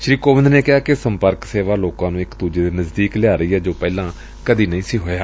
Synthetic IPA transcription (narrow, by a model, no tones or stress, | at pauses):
ʃɾiːkoːʋənd̪neːkɪɦaːkɪsəmpəɾkseːʋaːloːkãːnũːɪkt̪uːd͡ʒeːd̪iːnəzd̪iːklɪaːɾəiːɦɛːd͡ʒoːpɛːlãː | kəd̪iːnəĩːsiːɦoːjaː